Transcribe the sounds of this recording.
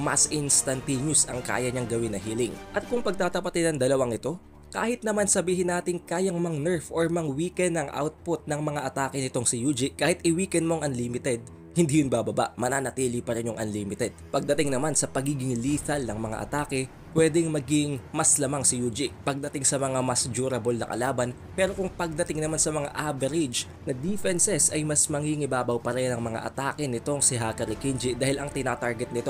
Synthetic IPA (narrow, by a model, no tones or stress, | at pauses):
mɐ̰sʔɪnst̪ɐnt̪iɲʊsɐŋka̰ːjɐɲɐŋɡɐwɪnːɐɦiːlɪŋʔɐt̪̚kʊŋpɐɡ̚t̪aːt̪ɐpɐt̪ɪd̪ɐŋd̪ɐlɐwaŋɪt̪o̞ | kaːhɪt̪̚nɐmansɐbiːɦɪnːaːt̪ɪŋkaːjɐŋmɐŋnɛɹfʔoɹmɐŋwiːkɛnːɐŋʔa̰wt̪̚pʊt̪̚nɐŋmɐŋaʔɐt̪aːkɛnɪt̪o̞ŋsɪjuːd͡ʒɪʔkaːhɪt̪̚ɪwiːkɛn̚mo̞ŋʔɐnliːmɪt̪ɛd̪̚ | hɪnd̪iːjʊnbaːbɐba̰ʔmɐnaːnɐt̪iːlɪpɐɾɛnjoŋʔɐ̰nliːmɪt̪ɛd̪̚pɐɡ̚d̪ɐt̪ɪŋnɐmansɐpɐɡiːɡɪŋliːθɐlnɐŋmɐŋa̰ʔɐ̰t̪aːkɛ | pwɛd̪ɛŋmɐɡɪŋmɐslɐmaŋsɪjuːd͡ʒɪʔpɐɡ̚d̪ɐt̪ɪŋsɐmɐŋamɐsd͡ʒuːɾɐbo̞lnɐkɐ̰laːbɐn | pɛːɾo̞kʊŋpɐɡ̚d̪ɐt̪ɪŋnɐmansɐmɐŋa̰ʔavɛɾɪd͡ʒ | nɐd̪ifɛnsɛsɐjmɐsmɐŋiŋɪbaːbɐwpɐɾɛnɐŋmɐŋa̰ʔɐ̰t̪aːkɛnɪt̪o̞ŋsɪɦakɐɾɪkind͡ʒɪd̪aːhɪlɐŋt̪ɪnaːt̪aɹɡɛt̪̚nɪt̪o̞